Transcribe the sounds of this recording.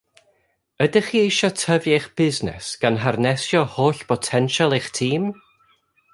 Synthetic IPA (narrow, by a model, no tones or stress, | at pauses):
ədɪχiːejʃɔtʰəvjeχb̥ɪznɛ̰sɡ̥anɦarnɛsjɔhoːɬpʰɔtʰɛnʃalˠeχtʰiːm